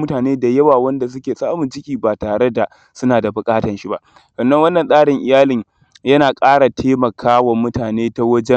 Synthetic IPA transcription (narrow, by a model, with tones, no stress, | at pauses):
mʊ˦taː˨neː˦da˨jɐ˦waː˨wɐ˦nda˨s̬ʊ˦kʲeː˨sʼaː˦mʊ˨nd͡ʒɪ˦kʲiː˨baː˨taː˨ɽe˦da˨ | sʊ˦naː˨da˨bʊ˨kʼaː˦tɐ˨nʃi˦ba˦ʔ | sɐ˨nːɐ˦ŋwɐ˦nːɐ˨nsʼaː˦ɽɪ˨ŋʔɪ˨jaː˦lɪ˨ɲ | jɐ˦naː˨kʼaː˦ɽa˨tʰeː˦mɐ˨kʰaː˦wɐ˨mʊ˦taː˨neː˦ta˦wɐ˦d͡ʒɛ˦